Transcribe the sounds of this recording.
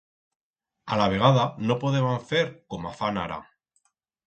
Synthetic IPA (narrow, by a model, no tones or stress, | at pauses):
alaβ̞e̞ɣ̞aðano̞po̞ðeβaɱfe̞ɾko̞mafana̰ɾʔa̰